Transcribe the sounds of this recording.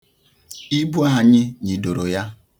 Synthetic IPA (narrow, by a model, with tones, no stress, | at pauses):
i˦bu˦a˨ɲɪ˦ɲi˨do˨ɾo˨ja˦